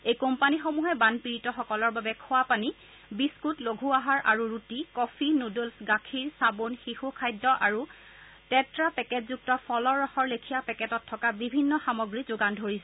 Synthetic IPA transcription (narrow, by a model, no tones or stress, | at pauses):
ejkompanixomuɦɛbanpiɹitɔxɔkɔlɔɹbabɛkʰʊwapani | biskutloɡʱuaɦaɹʔaɹuɹutikɔpʰinodolsɡakʰiɹsabonxixukʰajdːɔʔaɹu | tɛtɹapɛkɛtzuk̚tɔpʰɔlɔɹaxɔɹlekʰijapɛkɛtɔtʰːɔkabibʱinːɔxamɔɡɹizoɡandʱoɹisɛ